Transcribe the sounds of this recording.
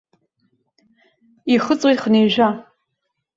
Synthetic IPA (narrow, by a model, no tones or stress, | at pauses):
iχət͡sʼwijtχəneːʒʷa